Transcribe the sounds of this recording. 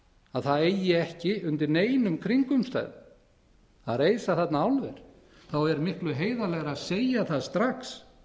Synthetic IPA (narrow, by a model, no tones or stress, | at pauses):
aðθaðeːjɪɛhcɪʏnt̪ɪɾneːjnʏmkʰɾiŋkʏmst̪a̰ːjðʏ̰ | aðreːjsaθɛt̪naawlvɛɾ̥ | θawɛɾmɪhklʏɦeːjðalɛːɣɾaðseːjaθaðst̪ɾaxs